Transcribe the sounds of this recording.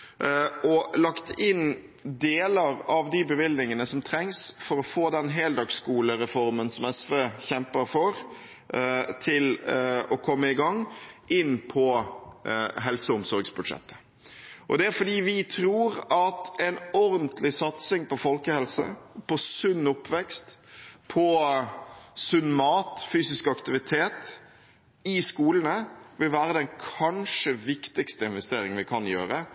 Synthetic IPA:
ɔlɑkt̪ɪn | d̪eːləɾɑʋd̪ɪbəʋɪlnɪŋənəsɔmt̪ʰɾɛŋsfɔɾɔfoːd̪ɛnɦɛld̪ɑːɡskuːləɾɛfɔɾmənsɔmɛsʋeːçɛmpəɾfɔɾ | t̪ʰɪlɔkʰɔmːəɪɡɑŋʔɪnːpʰɔ | ɦɛlsəʊmsɔɾɡsbʉd̪ʂɛ̰t̪ːə̥ | ʔɔ̰d̪ɛæɾfɔd̪iːʋɪt̪ʰɾuːɾɑt̪ɛnɔɾnt̪ʰlɪsɑt̪sɪŋpɔfɔlkəhɛlsə̰pʰɔsʉnːʊpːʋɛkst̪pʰɔ | sʉnːmɑːt̪fyːsɪskɑkt̪ɪʋɪt̪ʰeːt̪ | ɪskuːlənəʋɪlʋæːɾəd̪ɛnkʰɑnʂəʋɪkt̪ɪkst̪əɪnʋɛst̪eːɾɪŋənʋɪkʰɑnjøːɾə

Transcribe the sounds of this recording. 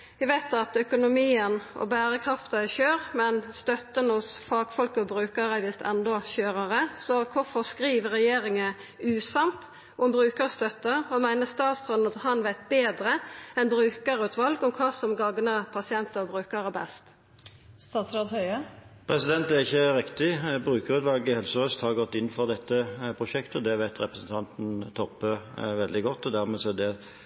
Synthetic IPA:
ʋɪʋæɪt̪ɑt̪œkʊnʊmiːənɔ̰bæːɾəkʰʁɑft̪əɛçøːɾmɛnst̪œt̪ːənhʊsfɑːɡ̥fɔlkəɔbɾʉːkɑɾəʋɪst̪ʰɛ̰nd̪ɔçøːɾɑɾəsɔkʰʊfɔʁskɾiːʋəɾɛjeːɾɪŋə | ʉːsɑmt̪ | ɔmbɾʉːkəʁst̪œt̪ːəɔmæɪnəst̪ɑːt̪sɾɑːd̪nɑt̪hɑnʋæɪt̪̚beːd̪ɾəɛnbɾʉːkəɾʉːt̪ʰʋɑlɡʊmkʰɑːsɔmɡɑɡnəpʰɑsɪɛnt̪əʁbɾʉːkəɾəbɛ̰st̪ | st̪ɑːt̪sɾɑd̪hœʏəpʰɾɛsɪd̪ɛnt̪æʁɪçːəɾɪkt̪ɪbɾʉːkəɾʉːt̪ʋɑlɡɪhɛlsəɾœst̪hɑʁɡɔt̪ːɪnːn̩fɔʁd̪ɛt̪ːəpʰʁʊʃɛkt̪əɔd̪ɛʋæɪt̪ɾɛpɾəsn̩t̪ʰɑnt̪n̩t̪ʰɔpːəʋɛld̪ɪɡɔt̪ːɔd̪æʁmeːsɔɛd̪ɛ

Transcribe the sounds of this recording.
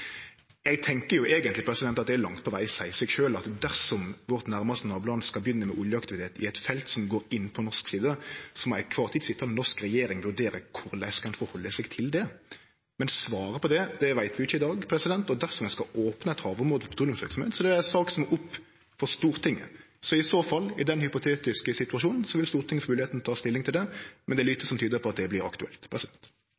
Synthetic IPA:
ɛɡt̪ʰɛŋkəɾjʊʔeːɡənt̪lɪpʰɾɛsɪd̪ɛnt̪ɑt̪d̪ɛæɾlɑŋt̪̚pʰɔʋæɪsæɪsɛɡʃøːlɑt̪d̪æɾsɔmʋɔʁt̪næɾmɑst̪ənɑːblɑnəskɑlbjʏnːəmɛʔʊljəɑkt̪ɪʋɪt̪ʰeːt̪ɪɛt̪fɛlt̪sɔmɡoːɾɪnːpʰɔnɔsksiːd̪əsɔmɔæɪkʰʋɑːʁt̪ʰiːt̪sɪt̪ʰːənɔɾskɾɛjeːɾɪŋʋʉɾd̪eːɾəkʰʊɾlæɪskʰɑnfɔɾhɔlːəsɛɡt̪ʰɪld̪ɛ | mɛnsʋɑːɾəpɔd̪ɛd̪ɛʋæɪt̪ʋɪɪçːəɪd̪ɑːɡpʰɾɛsɪd̪ɛnt̪ɔd̪æɾsɔmɛnskɑoːpnəɛt̪hɑːʋʊɾmuːd̪fɔpʰəd̪ʰuːlɪŋsʋɪ̰ɾksɔmhḛːt̪sɔd̪ɛæɛsɑːksɔmɛɾʊpː | fɔɾst̪uːɾt̪ʰɪŋːə̰ | sɔɪsoːfɑlːɪd̪ɛnhʏpʊt̪ʰeːt̪ɪskəsɪt̪ʉɑʂʃuːnən̩sɔʋɪlst̪uːɾt̪ʰɪŋːəfmʉːlɪeːt̪n̩ɔt̪ʰɑːst̪ɪlːɪŋt̪ʰɪld̪ɛmɛnd̪ɛlyt̪ːəsɔmt̪ʰyːd̪əpʰɔɑt̪̚d̪ɛblɪɾɑkt̪ʉɛ̰lt̪pʰɾɛsɪd̪ɛnt̪

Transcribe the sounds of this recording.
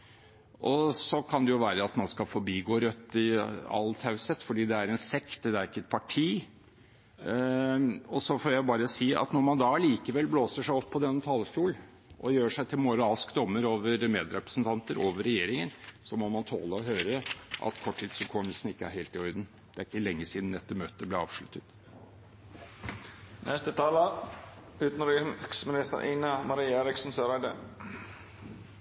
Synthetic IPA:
ʔɔsɔkʰɑnd̪ɛjʊʋæːɾəɑt̪mɑnskɑfɔɾbiːɡoːɾœt̪ːɪɑ̰lt̪ʰɑʉsət̪fɔɖiːd̪ɛæɾɛnsɛkt̪d̪ɛæɾɪkːəɛt̪̚pʰɑʈʰiː | ɔsɔfɔːɾjæɪbɑːɾəsiːʔɑ̰t̪nɔɾmɑnd̪ɑliːkəʋɛlːbloːsəʂæɪɔpʰːɔd̪ɛnt̪ʰɑlfjuːl | ʔɔjøːʂæɪt̪ʰɪlmʊɾɑːskd̪ɔmːəɾoːʋəɾmeːd̪ɾɛpɾə̥sn̩t̪ʰɑnt̪əɾʔoːʋəɾɛjeːɾɪŋənsɔmɔmɑnt̪ʰo̰ːləɔɦøːɾəʔɑ̰t̪kʰɔʈʰːiːt̪sʉlkʰɔmːəlsn̩ɪkːəæɾheɪlt̪ɪœʏd̪n̩ | d̪̥ɛæɾɪkːəlɛŋːəsiːd̪n̩ɛt̪ːəmøːt̪əblɛɾɑ̰ːʋʂɭʉt̪ːət̪ | nʔɛst̪ət̪ʰɑːlə | ʉːt̪nɾksmɪnɪst̪ə̰ɾʔiːnəmɑɾiːeːɾɪksn̩søɾæɪd̪ə̰

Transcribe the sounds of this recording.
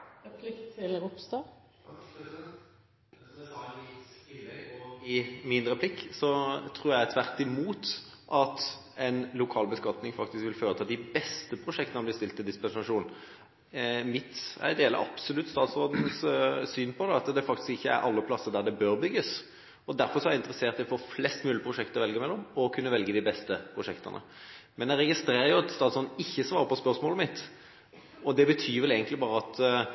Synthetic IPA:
pʰllʊpst̪ɑ | ɪmɪnd̪ɾəpʰlɪkːsɔt̪ʰɾuːɾjæt̪ʰʋæʁt̪ɪmuːt̪ʔɑt̪ | ɛnlʊkʰɑːlbəskɑt̪nɪŋfɑk̚t̪ɪskʋɪlføːɾət̪ʰɑːd̪ɪbɛst̪əpʰɾʊʂɛkt̪əb̪ɪːst̪ɪlt̪ɪd̪ɪspɛnsɑʂuːnn | mɪt̪æ̰ɪd̪eːlə̰ɾʔɑ̰psɔlʉt̪ːst̪ɑːt̪sɔd̪n̩ssyːnpʰɔd̪ɛɑt̪d̪ɛfɑk̚t̪ɪ̥skɪçːəæ̰ɾɑlːəpʰlɑsːəɾd̪æʁd̪ɛbøːɾbʏɡːəs | ɔd̪æɾfɔɾʂsɔhɑɾjæɪnt̪ɾəseːʁt̪d̪æɪɔfoːflɛst̪mʉːlɪəpɾʊʂɛkt̪əɾɔʋɛlɡəmɛlːɔmɔkʰʉnːəʋɛlɡəd̪ɪbɛst̪əpʰɾʊʂɛkt̪ə̰nə̰ | mɛnjæɪɾɛɡɪst̪ɾeːɾəjʊɑt̪st̪ɑːt̪sɔːd̪̩ɪçːəsʋɑːɾəpɔspœʁsmoːləmɪt̪ː | ɔd̪ɛbət̪ʰyːʋɛleːɡənt̪lɪbɑːɾəɑt̪

